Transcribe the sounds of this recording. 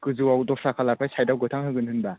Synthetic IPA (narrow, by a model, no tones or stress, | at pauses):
kɯzɯwawdɔsakʰalaɾ̚pʰajsʰajdawɡɯtʰaŋɦɯɡɯnhɯnba